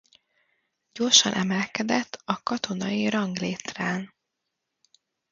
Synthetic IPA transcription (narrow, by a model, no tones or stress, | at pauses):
ɟ̥o̞rʃɒ̰nʔɛmɛlkɛd̪ɛt̪ʰːɒkɒt̪o̞nɒjiɾɒŋɡleːt̪raːn